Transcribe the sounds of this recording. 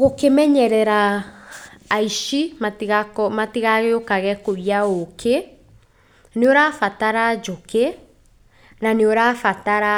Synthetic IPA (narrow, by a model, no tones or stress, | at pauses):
ɣokemɛɲɛɾɛɾa | iʃimatiɣakɔmatiɣaɣeokaɣɛkoiaokʰe | neoɾafataɾad͡ʒoke | naneoɾafataɾa